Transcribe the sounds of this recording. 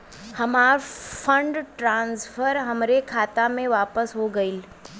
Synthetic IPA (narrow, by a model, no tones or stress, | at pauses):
hɐmaːɾfʰə̃ɳɖʈɾãːnsfʰəɾɦɐmɾekʰaːt̪amẽʋaːpəsɦoɡɐil